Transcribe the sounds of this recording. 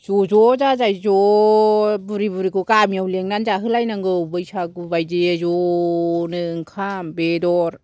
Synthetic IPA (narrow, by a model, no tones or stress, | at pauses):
z̥ɔzɔzazajzɔ | buɾibuɾikɯkamiawleŋnanzaɦɯlajnaŋɡɯwbɯjsaɡubajzezɔ | nɯŋkʰambedɔɾ